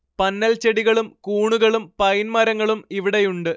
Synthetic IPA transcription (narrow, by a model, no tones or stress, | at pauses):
pɐnːɐlt͡ɕeɽiɣɐɭumkuːɳuɣɐɭumpɐjnmɐɾɐŋːɐɭumiʋiɽe̞juɳɖɨ